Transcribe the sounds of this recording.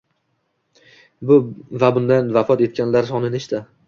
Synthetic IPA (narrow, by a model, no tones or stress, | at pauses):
bʊvabʊnd̪anvafɒt̪e̞t̪̚kʲanlaɾs̬ɒnɪnɪɪʃt̪a